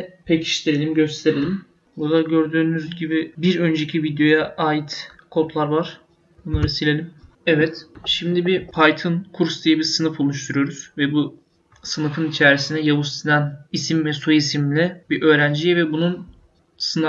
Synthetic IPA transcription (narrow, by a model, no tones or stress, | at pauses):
pʰecʰi̥ʃt̪ʰeɾelʲimɟø̞st̪ʰe̞ɾelʲim | buɾd̪aɟø̞ɾd̪yːnyzɟibibiɾø̞nd͡ʒecʰivid̪jo̞jaʔaːjit̪kʰo̞t̪lˠaɾvaɾ̥ | bunˠaɾɯsilʲelʲim | ɛvɛt̪ʃimd̪ibipʰajt̪ʰɯnkʰuɾst̪ʰijɯbiɾsɯnɯfolˠuʃt̪ʰuɾujo̞ɾuz̥vɛbu | sɯnɯfɯnit͡ʃʰæɾisind̪ɛjavust̪inænisimvɛsuisimlʲɪbiʔø̞ːɾænd͡ʒijɛvɛbunun | sɯn